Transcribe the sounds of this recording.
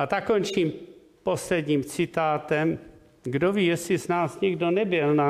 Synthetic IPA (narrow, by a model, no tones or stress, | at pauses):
ʔat̪akkont͡ʃiːm | poslɛdɲiːmt͡sɪt̪aːt̪ɛm | ɡdoviːjɛsɪsnaːsɲɪɡdo̞nɛbɪlna